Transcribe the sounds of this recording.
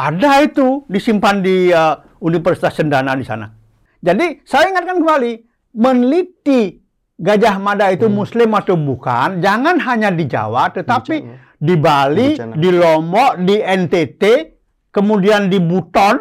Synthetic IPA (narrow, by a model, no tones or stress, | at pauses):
ʔadait̪udisimpandiə | unifərsi̥t̪asəndanadisa̰na̰ | d͡ʒadisajaiŋat̪̚kankəmbali | mənlit̪i | ɡad͡ʒahmadait̪umuslɪmat̪ubuka̰nd͡ʒaŋanɦaɲadid͡ʒa̰waʔt̪ət̪api | dibalidilɔmɔʔdiɛnt̪et̪e | kəmudiandibut̪ɔn